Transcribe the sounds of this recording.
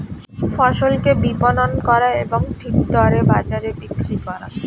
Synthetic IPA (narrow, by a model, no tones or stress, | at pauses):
fɔʃolkebipononkɔɾaeboŋʈʰik̚d̪ɔɾebad͡ʑaɾebikɾikɔɾa̰